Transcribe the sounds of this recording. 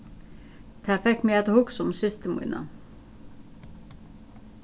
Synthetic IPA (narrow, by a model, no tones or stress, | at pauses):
t̪ʰæfɛkːmiɛt̪hʊksɔmsʏst̪əmṵːnɑ̰